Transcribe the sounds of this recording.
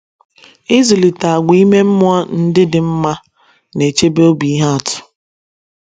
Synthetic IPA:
ɪ˦zu˨li˨ta˨a˨ɡʷi˦me˦m̩˦mʊ˦a˦n̩˦dɪ˦dɪ˨m̩˦ma˦ | ne˨t͡ʃe˦be˦o˦bi˨i˦ɦa˦a˨tʊ̥˨

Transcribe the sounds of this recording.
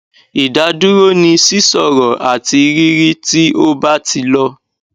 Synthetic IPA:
i˨da˨˧du˦ɾo˦nĩ˧si˦sɔ˦˨ɾɔ˨a̰˨ti˧ɾi˦ɾi˦ti˦o˦ba˦ti˧lɔ˦

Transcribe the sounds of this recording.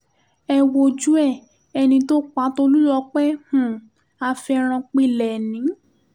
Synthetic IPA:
ɛ˧wo˧d͡ʒu˦ɛ˦˨ | ɛ˧nĩ˧to˦k͡pa˨˦to˦lu˦lɔ˧k͡pɛ˦hũ˦˨ | a˧fɛ˧ɾ̃ã˧k͡pi˦˨lɛ˨nĩ˨˦

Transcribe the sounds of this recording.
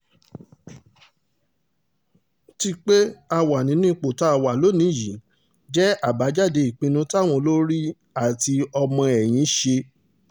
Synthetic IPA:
ti˦˧k͡pe˦a˧wa˨nĩ˨˦nĩ˦˨k͡po˨ta˨˦a˨wa˨lo˨˦nĩ˨˦˨ji˨ | d͡ʒɛ˦a˦˨ba˨˦d͡ʒa˦˨de˧i˨k͡pĩ˧nũ˧ta˦˨w̃ɔ̃˧lo˦ɾi˦ | a˨ti˧ɔ˧mɔ̃˧ɛ˨j̃ĩ˨˦ʃe˧

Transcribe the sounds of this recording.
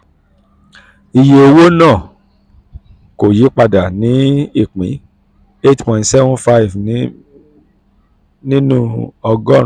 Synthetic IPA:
i˨je˨o˧wo˦nãː˦˨ | ko˨ji˨˦k͡pa˧da˨nĩ˨˦i˦˨k͡pḭ̃˨˦ | e˦tpɔ̃˨ntsɛ˦vɔ̃˦nfa˦i˨v | nĩ˦nũ˦ɔ˧ɡɔ̃˦˨

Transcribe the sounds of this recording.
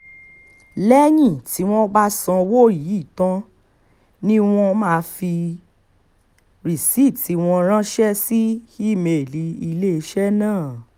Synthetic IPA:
lɛ˦j̃ĩ˦˨ti˨˦w̃ɔ̃˦ba˦sã˧wo˦˨ji˨˦i˦˨tã˦ | nĩ˦w̃ɔ̃˦mãː˦˨˧fi˧ | ɾi˨si˦˨ti˨˦w̃ɔ̃˧ɾ̃ã˦ʃɛ˦si˦ki˦˨me˨li˨˦i˧le˦˧ʃɛ˦nãː˦˨

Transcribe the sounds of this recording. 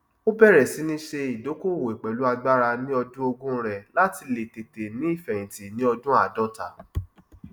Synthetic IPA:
o˦bɛ˦˨ɾɛ˨si˨˦nĩ˦ʃe˧i˨do˨˦ko˦˨wo˨e˨k͡pɛ˨lu˦a˧ɡ͡ba˦ɾa˧nĩ˦ɔ˧dũ˦o˧ɡũ˦ɾɛ˨la˨˦ti˧le˨te˨te˨nĩ˨˦i˦˨fɛ˨j̃ĩ˨ti˨nĩ˨˦ɔ˧dũ˦a˦˨dɔ˦ta˨

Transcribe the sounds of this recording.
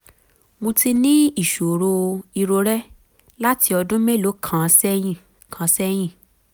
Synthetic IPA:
mõ˧ti˧nĩ˦i˦˨ʃo˨ɾo˧i˧ɾo˧ɾɛ˦ | la˦ti˧ɔ˧dũ˦mɛ̃˦˨lo˨˦kʰã˨sɛ˦jĩ˦˨ | kʰã˨˦sɛ˦j̃ĩ˦˨

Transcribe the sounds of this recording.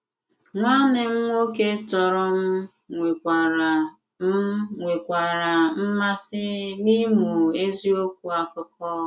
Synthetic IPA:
ŋʷa˦ne˨m̩˦ŋʷ˦o˦ke˦tɔ˨ɾʊ˦m̩˦ | ŋʷe˨kʷa˨ɾa˨ | m̩˦ŋʷe˨kʷa˨ɾa˨m̩˦ma˦sɪ˦ni˦mu˨e˦zi˦o˦kʷu˦a˨kʊ˦kɔ˦

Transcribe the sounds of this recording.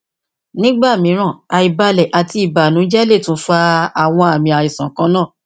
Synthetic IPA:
nĩ˦ɡ͡ba˦˨mĩ˨˦ɾ̃ã˦˨a˧i˨ba˧lɛ˨ʔa˨ti˧i˨ba˨nũ˨˦d͡ʒɛ˦le˦˨tũ˨˦fa˧a˨w̃ɔ̃˧a˨mĩ˧a˨i˨sã˨kã˨˦nãː˦˨

